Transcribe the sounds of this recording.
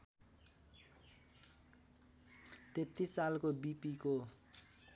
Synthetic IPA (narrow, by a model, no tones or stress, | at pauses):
t̪et̪ːisːalkobipiko